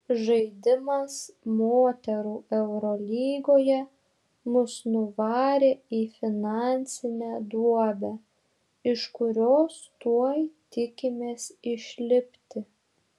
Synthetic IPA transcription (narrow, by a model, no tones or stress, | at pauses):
ʒɐɪd̪ʲɪmɐsmoːt̪ʲɛɾuːɛʊɾɔlʲiːɡoːjɛ | mʊsnʊʋɑːɾʲeːiːfʲɪnɑnʲsʲɪnʲæːd̪uɔbʲæː | ɪʃkʊɾʲoːst̪uɔjt̪ʲɪkʲɪmʲeːsɪʃʲlʲɪpʲt̪ʲɪ